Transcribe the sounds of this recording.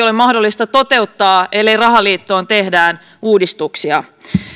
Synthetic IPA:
o̞lemɑhdo̞lːist̪ɑt̪o̞t̪e̞ut̪ːɑːe̞lːejrɑɦɑliːt̪ːoːnt̪e̞hdæːn | uːdist̪uksiɑ

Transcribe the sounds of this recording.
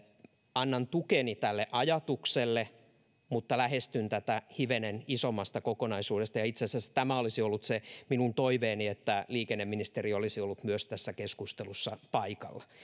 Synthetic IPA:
ɑnːɑnt̪ukenit̪ælːeʔɑjɑt̪ukselːe | mut̪ːɑlæhest̪ynt̪æt̪æhiʋenenisomːɑst̪ɑkokonɑisuːdest̪ɑjɑit̪sesæsæ̥t̪æmæolisiolːut̪seminunt̪oiʋeːniet̪ːæliːkenːemːinist̪eriolisiolːut̪myøst̪æsːækeskust̪elusːɑpɑikɑ̰lːɑ

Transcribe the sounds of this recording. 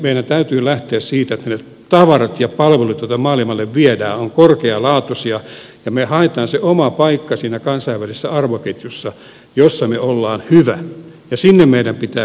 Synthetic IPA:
meiɾænt̪æyt̪yːlæht̪eæssiːt̪æet̪ːæne | t̪ɑʋɑrɑt̪jɑpɑlʋelut̪jot̪ɑmɑːlimɑlːeʋʋiædæːoŋkorkeɑlɑːt̪usiɑ | jɑmehɑet̪ɑːnseomɑpɑikːɑsiːnækɑnsɑiʋʋælisːæɑrʋoket̪jusːɑ | josːɑmeolːɑːnhyʋæ | jɑsinːemmeiɾæmpit̪æː

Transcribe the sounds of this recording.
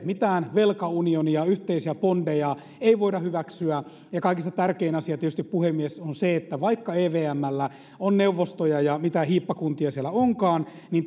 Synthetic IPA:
mit̪æːnʋelkɑunioniɑyht̪eisiæpondejɑ | eiʋoidɑhyʋæksyæ | jɑkɑikist̪ɑt̪ærkeinɑsiɑt̪ietyst̪ippuhemːiesonseet̪ːæʋɑikːɑeːʋeːæmːælːæ | onneuʋːost̪ojɑjɑmit̪æhiːpːɑkunt̪iɑsielæoŋkɑːn | nin

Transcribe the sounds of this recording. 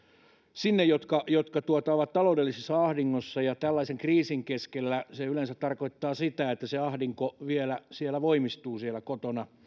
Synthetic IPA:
sinːejjot̪kɑjot̪kɑt̪uot̪ɑoʋɑt̪t̪ɑloudelːisesːɑɑhdiŋːosːɑjɑt̪ælːɑiseŋkriːsiŋkeskelːæseylensæt̪t̪ɑrkoit̪ːɑːsit̪æet̪ːæseɑhdiŋkoʋielæsielæʋoimist̪uːsielækot̪onɑ

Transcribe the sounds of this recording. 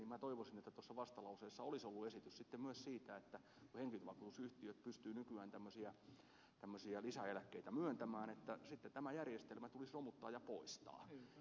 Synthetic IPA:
iːmæt̪oiʋosinet̪ːæt̪osːɑʋɑst̪ɑlɑuseːsːɑolisolːuesit̪yssit̪ːemmyøssiːt̪æet̪ːæ | kuheŋkilyt̪ʋɑkuːt̪usyht̪iøt̪̚pyst̪yːnykyæːnt̪æmːøsiæ | t̪æmːøsiælisæelækːeit̪æmyønt̪æmæːnet̪ːæsit̪ːet̪æmæjærjest̪elmæt̪ulisromut̪ːɑːjɑpoist̪ɑ̰ː

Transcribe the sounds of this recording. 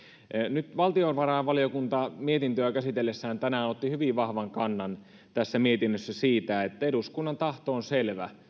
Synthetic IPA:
nyt̪ʋɑlt̪ionʋɑrɑʋɑlijokunt̪ɑmiet̪int̪øækæsit̪elːesːæːnt̪ænæot̪ːihyʋiʋʋɑhʋɑŋkɑnːɑn | t̪æsːæmiet̪inːøsːæsiːt̪æet̪ːæeɾuskunːɑnt̪ɑht̪oːnselʋæ̰

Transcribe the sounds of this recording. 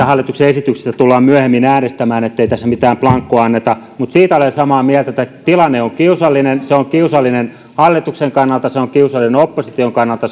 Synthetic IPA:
æhɑlːˑit̪ukseesit̪ykse̥st̪æt̪ulːɑːmmyæhemːinæːnest̪æmæːnet̪ːeit̪æsːæmit̪æːmplɑŋkːuɑɑnːet̪ɑ | mut̪siːt̪æolensɑmɑːmiælt̪æet̪ːæt̪ilɑnːeoŋkiusɑlːinenseoŋkiusɑlːinen | hɑlːit̪ukseŋkɑnːɑlt̪ɑseoŋkiusɑlːineopːosit̪ioŋkɑnːɑlt̪ɑ

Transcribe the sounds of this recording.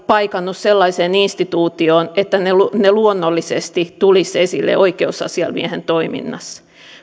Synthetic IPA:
pɑikɑnːusselːɑiseːninst̪it̪uːt̪ioːnet̪ːænelneluonːolːisest̪it̪ulisesḭlːḛoikeusɑ̰siɑ̰lmḭehent̪oimḭnːɑ̰s

